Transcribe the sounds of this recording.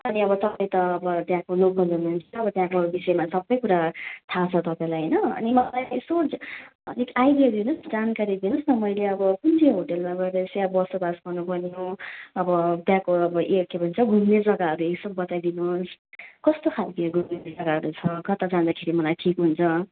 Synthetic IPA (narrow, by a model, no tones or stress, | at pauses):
ʌniʌbʌt̪ʌpaj̃t̪ʌːbʌt̪jãkolokɡʌʌnent͡sʰʌbʌt̪jãkoɦʌɾubisʌemasʌbːʌjkuɾat̪ʰat͡sʰʌt̪ʌpãĩlajɦʌjnʌʌ̰nimʌlaso | nekajdiad̪inusd͡zankaɾid̪inusnʌmʌjleʌbʌkuntʰiɦoʈelmaɡʌd̪esjãbʌsobasɡʌnupʌnioʌbʌt̪jãkoʌbʌʔekːebʱunt͡sʰʌɡʱumned͡zʌɡaɦʌɾueksʌbːʌt̪ajd̪inuskʌst̪okʰalkiɡʱumned͡zʌɡaʌɾut͡sʰʌkʌt̪ad͡zãnd̪akʰeɾimʌlajʈʰikɦunt͡sʰʌ